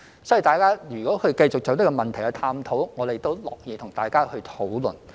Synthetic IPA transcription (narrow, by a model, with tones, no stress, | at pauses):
sɔː˨˥ji˨˩t̪aː˨jkaː˥jyː˨˩kɔː˨˥hʰɵ˧ɥkɐ˧jt͡sʊ˨k̚t͡so˨˧wt̪ɐ˥kːɔ˧mɐ˨nt̪ʰɐ˨˩jhɐ˧t̪ʰaː˧mt̪ʰo˨˥wŋɔː˨˧t̪e˨jt̪o˥wlɔ̰ː˨˩k̚jiː˨˧t̪ʰʊ˨˩ŋt̪aː˨˩jkaː˥hɵ˧ɥt̪ʰo˨˥wlɵ̰˨˩n